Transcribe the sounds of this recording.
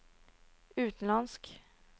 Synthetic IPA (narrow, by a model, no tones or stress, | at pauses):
ʉ̟ːt̪nlansk